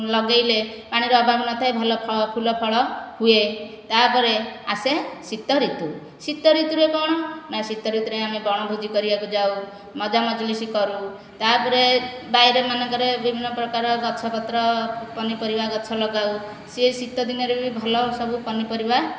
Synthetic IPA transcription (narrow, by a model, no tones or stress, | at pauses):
lɔɡajlepaɽ̃iɾɔɔbʱabnɔt̪ʰajbʱɔlɔpʰɔpʰulɔpʰɔɭɔhuet̪apɔɾeasesit̪ːɔɾit̪u | sit̪ːɔɾit̪uɾebɔɽ̃ɔmasit̪ːɔɾit̪uɾeamebɔɽ̃ɔbʱud͡ʒikɔɾibakud͡ʒaw | mɔd͡ʒamɔd͡ʒlisikɔɾu | t̪apɔɾebajɾemanɔ̃ŋkɔɾebibʱinːɔpɾɔkaɾɔɡɔtːt͡ʃʰɔpɔt̪ɾɔpɔnipɔɾibaɡɔt͡ʃʰɔlɔɡaw | sesit̪ɔd̪inɔɾebʱibʱɔlɔsɔbupɔnipɔɾiba